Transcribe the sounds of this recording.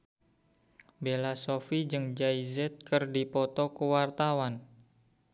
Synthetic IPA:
belasofid͡ʒɨŋd͡ʒaizɛt̪̚kɨrdipɔt̪ɔkəwart̪awan

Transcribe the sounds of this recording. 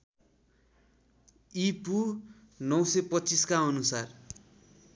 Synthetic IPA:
ipu | nʌwsʌpʌtːt͡siskaʌnusar

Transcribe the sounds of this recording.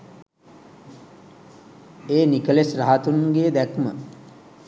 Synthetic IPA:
eːnikəlesraɦat̪unɡeːd̪ækmə̰

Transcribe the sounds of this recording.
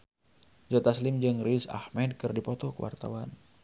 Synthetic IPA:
d͡ʒɔt̪aslɪmd͡ʒɨŋrisa̰hmɛd̚kɨrdipɔt̪ɔkəwa̰rt̪a̰wan

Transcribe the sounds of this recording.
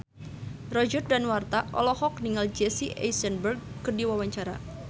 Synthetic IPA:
rɔd͡ʒər̚danwart̪aʔɔ̰lɔhɔk̚niŋald͡ʒɛsiʔɛ̰jsɛnbərɡ̚kədiwawaɲt͡ʃaɾa̰

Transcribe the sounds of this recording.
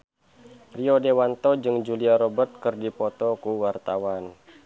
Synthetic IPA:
riɔdewant̪ɔd͡ʒɨŋd͡ʒuliaɾɔbərt̪̚kɨrdipɔt̪ɔkuwart̪awan

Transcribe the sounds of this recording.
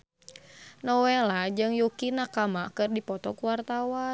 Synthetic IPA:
nɔwɛlad͡ʒɨŋjukinakamakɨrdipɔt̪ɔkuwart̪awa

